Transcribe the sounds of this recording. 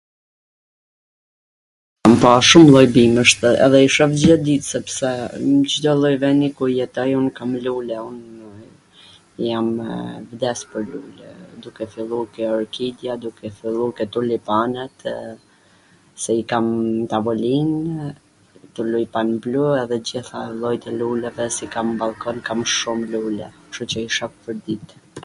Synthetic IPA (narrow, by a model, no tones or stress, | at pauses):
ampaʃumlˠɔjbiməʃt̪ɛ̰ðɛiʃɔvd͡ʑɛd̪it̪sɛpsɛt͡ʃəd̪ɔlˠɔjvɛnikujɛt̪ɔjunkamlulɛun | jamvd̪ɛspəɾlulɛ̰d̪ukɛfilˠukɛɔɾkid̪jad̪ukɛfilˠukɛt̪ulipanɛt̪ | sɛikamt̪avɔlin | t̪ulujpanbluɛðɛd͡ʑiθalˠɔjt̪ɛlulɛvɛsɛkambalˠkɔnkamʃumlulɛ̰ | ʃɔt͡ɕəiʃappəɾd̪it̪